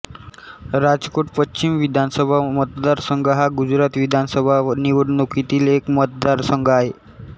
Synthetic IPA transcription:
ɾad͡zkoʈpət͡ɕimʋid̪ʱansəbʱamət̪d̪aɾsəŋɡəɦaɡud͡ʑɾat̪ʋid̪ʱansəbʱaniʋəɽnukit̪iːlekmət̪̚d̪aɾsəŋɡʱəaɦe

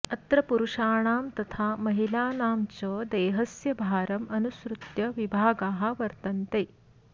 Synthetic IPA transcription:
ɐt̪ɾɐpuɾuʂaːɳ̃aːmt̪ɐt̪ʰamɐɦilaːnaːmt͡ɕəːd̪eːɦɐsjɐbʱaːɾɐmɐnusɾut̪jɐʋibʱaːɡaːɦaʋɐɾt̪ɐnt̪eː

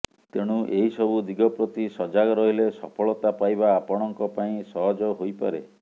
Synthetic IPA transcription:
t̪eɽ̃uʔeɦisɔbud̪iɡɔpɾɔt̪isɔd͡ʒaɡɔɾɔɦilesɔpʰɔɭɔt̪apajbaːpɔɽ̃ɔŋkɔpaĩsɔɦɔd͡ʒɔɦojpa̰ɾe

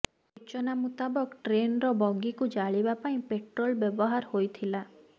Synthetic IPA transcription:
ut͡ʃɔnamut̪abɔkʈɾenɾɔbɔŋɡikud͡ʒaɭibapaĩpeʈɾolbjɔbɔɦaɾhojt̪ʰila

